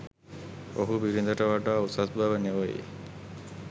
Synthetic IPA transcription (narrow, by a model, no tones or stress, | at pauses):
oɦubiɾind̪ɐʈəʋaʈaːusasbaʋəneʋojḭ